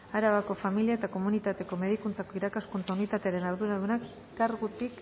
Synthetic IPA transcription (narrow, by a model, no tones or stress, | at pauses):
aɾaβako̞familiae̞t̪ako̞munit̪at̪e̞ko̞me̞ð̞ikunt͡sako̞iɾakaskunt͡saunit̪at̪e̞aɾe̞naɾðuɾaðunak | ɡaɾɣut̪ik